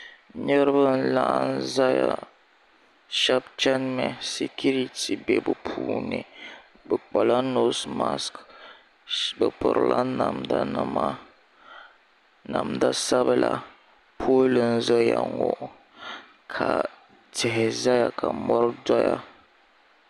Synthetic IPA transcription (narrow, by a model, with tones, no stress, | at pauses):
ɲə˦ɾbə˦n̩˦la˦ʔn̩˦za˦ja˨ | ʃa˦p̚t͡ʃa˦nmɛ˨se˨ku˦ɾi˦ti˨be˨bə˨pʰu˨ne˨ | bə˨k͡pa˨la˦no˦sma˦sk | bə˨pə˨ɾla˦na˨mda˦nə˦ma˦ | na˨mda˦sa˦bə˦la˨ | pʰo˦lə˨n̩˦zə˦ja˨ŋɡo˨ | kʰa˨ | tʰɛ˨ɦɛ˨za˦ja˨kʰa˨mɔ˦ɾda˦ja˨